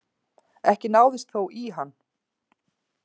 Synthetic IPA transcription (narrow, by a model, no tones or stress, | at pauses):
ɛhcɪnaːwðɪst̪θowʔiɦanː